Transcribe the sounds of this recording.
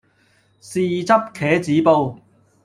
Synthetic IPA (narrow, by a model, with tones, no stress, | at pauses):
siː˧˩t͡sɐ˥p̚kʰɛː˨˥t͡siː˨˥po˧w